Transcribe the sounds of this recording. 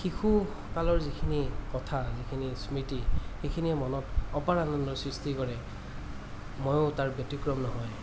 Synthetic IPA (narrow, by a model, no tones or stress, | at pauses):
xixʰu | kalɔɹzikʰinikɔtʰazikʰinismitixekʰiniɛmɔnɔtɔpaɹanɔndɔsɹistikɔɹɛ | mojotaɹbjɔtikɹɔmnɔɦɔj